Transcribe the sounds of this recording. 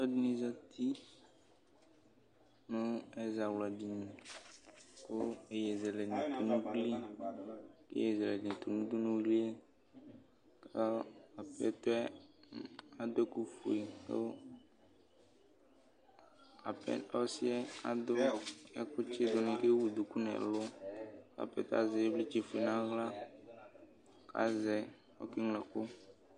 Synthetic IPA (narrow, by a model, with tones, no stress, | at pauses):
ɔ˦dnĩ˨za˦t̪i˦ | nʊ̃˦e˦za˨wla˨di˨nĩ˨ | ko˦e˨jɛ˨zɛ˨lɛ˨nĩ˨t̪o˨nũ˦k͡pli˦ | kḛ˦je˦˨zlɛ˨nĩ˨t̪o˨nũ˦d̪u˦nũ˦wi˦li˦ɛ˦ | ka˦a˨pɛ˦t̪o˦ɛ˦ | a˨do˦ku˨fu˨i˨kḛ˦ | a̰˨pɛ̰˦a˦sɪ˦ɛ˦a̰˦˨d̪ʊ˦ɛ˦kʊ˦t͡ʃɪ˦d̪ʊ˨nɪ̃˨ke˦wu˨du˨ku˦nɛ̰˨lʊ˦ka̰˨pɛ̰˨ta̰˦zɛ˨˦bli˦t͡ʃi˨fu˨i˨nã˦ɣla˦ | ka̰˨zɛ˨ | ɔ̰˦kɪ˦ŋlɛ˨kʊ˦